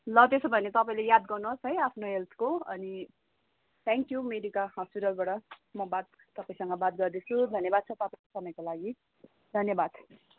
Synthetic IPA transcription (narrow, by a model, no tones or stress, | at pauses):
lʌt̪esobʱʌnet̪ʌpaĩlejad̪̚ɡʌrnsɦʌjapʰnoɦelt̪ʰkoʌ̰ni | t̪ʰeŋkjumeɾikaɦʌspiʈʌlbaʈʌmʌbat̪̚ːʌpaĩsʌŋɡʌbat̪̚ɡʌrd̪et͡sʰud̪ʱʌnjʌbad̪̚t͡sʰʌt̪ʌpãkesʌmʌjkolaɡi | d̪ʱʌnjʌbad̪̚ʰ